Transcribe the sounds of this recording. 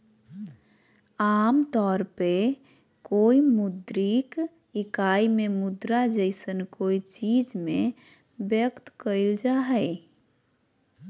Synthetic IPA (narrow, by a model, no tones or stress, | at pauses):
aːmt̪ɔːɾpe | koːimʊd̪ɾik | ɪkaːimẽmʊd̪ɾad͡ʒəɪsənkoːit͡ʃiːd͡ʒmẽ | bjəkt̪kəɪld͡ʒaɦɛɪ